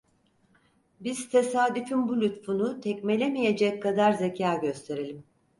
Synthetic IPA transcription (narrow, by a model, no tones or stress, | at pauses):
bizt̪ʰe̞saːd̪yfinbulʲut̪funut̪ʰɛcmelʲemije̞d͡ʒɛckʰːad̪aɾzecʰaːɟø̞st̪ʰe̞ɾilʲim